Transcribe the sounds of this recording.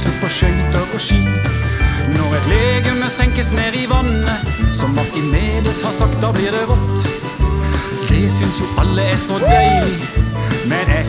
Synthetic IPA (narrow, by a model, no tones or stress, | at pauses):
lʉpːɔʃœʏt̪əɔʃyː | nɔʁɛt̪leːɡənəsɛŋkəsneːʁɪʋɑnəsɔmːɑt̪ɪnmeːd̪əshɑːsɑkt̪̚d̪ɑːbliːʁd̪ɛʋɔt̪ː | d̪̥ɛsʏnsjʊʔɑlːəæsod̪æɪlɪ | mɛnɛ